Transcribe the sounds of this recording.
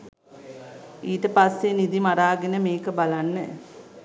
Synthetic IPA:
iːʈəpasːenid̪imaɾaːɡenəmeːkəbalanːə

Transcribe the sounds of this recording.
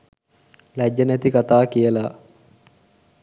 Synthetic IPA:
læd͡ʒːənæt̪ikat̪aːkijəla

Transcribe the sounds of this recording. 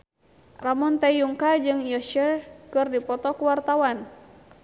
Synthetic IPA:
ramɔnt̪ajuŋkad͡ʒɨŋijɔʃɛrkɨrdipɔt̪ɔkuwart̪awan

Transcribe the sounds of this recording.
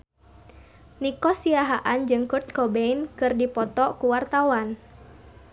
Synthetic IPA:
nikɔsiaɦaʔand͡ʒɨŋkurt̪̚kɔbeinkɨrdipɔt̪ɔkuwart̪awan

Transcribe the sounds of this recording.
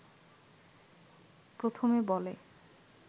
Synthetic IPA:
pɾot̪ʰomebɔle

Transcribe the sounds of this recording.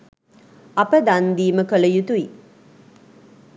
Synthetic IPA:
ɐpəd̪and̪iːməkələjut̪ui

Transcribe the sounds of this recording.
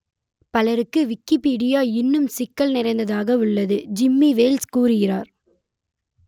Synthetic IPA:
pɐlɐɾɯkːɯʋɪkːɪpiːɽɪjaːɪnːɯmsɪkːɐlnɪɾɐɪnd̪ɐðaːɣɐɯɭːɐðɯd͡ʒɪmːiʋeːlskuːrɪɣɪraːɾ

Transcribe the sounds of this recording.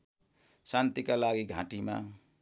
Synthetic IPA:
sant̪ikalaɡiɡʱã̰ʈima̰

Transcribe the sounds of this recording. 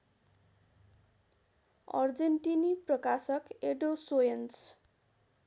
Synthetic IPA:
ʌ̰rd͡zeɳʈiniprʌkasʌkeɖosojʌnt͡s

